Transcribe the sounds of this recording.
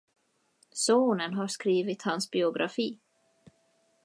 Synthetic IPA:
soːnənɦaʂkɾiːvɪt̪hansbɪʊɡɾʔa̰fiː

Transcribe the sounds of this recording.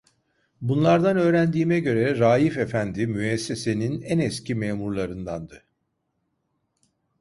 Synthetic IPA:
bunlˠaɾd̪anø̞ːɾænd̪iːmɛɟø̞ɾɛɾaːjifefænd̪imyɛsːe̞se̞ninænɛscimeːmuɾlˠaɾɯnd̪and̪ɯ

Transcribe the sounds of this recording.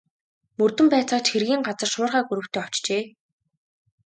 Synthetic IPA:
mɵrt̪ɵ̆mpæːt͡sɔːt̪xerɣʲiːŋɢat͡sə̆rʃʊːrʁæːɡuɾɵ̆w̥t̪ʰeːɔw̥t͡ɕt͡ɕeː

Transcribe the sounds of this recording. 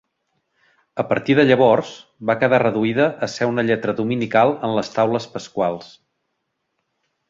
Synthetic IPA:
əpəɾt̪iðəʎəβɔrz̥bakəðarəðuiðəʔəsɛunəʎɛt̪ɾəðuminikalˠənləst̪awləspəskwalˠs

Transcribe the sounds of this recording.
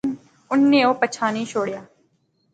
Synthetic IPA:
ʊnːẽːoːpət͡ʃʰaːnĩːʃʰoːɽjaː

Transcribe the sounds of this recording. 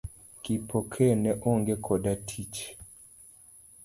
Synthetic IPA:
kipʰokʰɛnɛʔoŋɡekʰɔdatʰit͡ʃ

